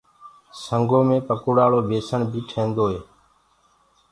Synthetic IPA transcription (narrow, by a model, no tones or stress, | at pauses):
səŋɡoːmẽːpəkuːɽaːloːbeːsəɳbʱiːʈʰẽːnd̪oːɦeː